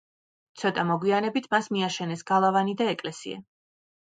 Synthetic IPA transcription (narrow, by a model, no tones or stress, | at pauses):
t̪sʰɔt̪ʼamɔɡwianɛbit̪ʰmasmiaʃɛnɛsɡalˠavanid̪aɛkʼlɛsḭa̰